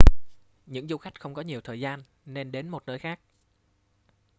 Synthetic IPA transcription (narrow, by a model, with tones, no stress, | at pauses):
ɲɨ̰˧˥ŋzu˧xa˦˥jk̟̚xə˧wŋ͡mkɔ˨˦ɲi˨˩əwt̪ʰəː˨˩jzaː˧n | ne˧nɗe˨˦nmo˨˩t̚nəː˨˦jxaː˦˥k̚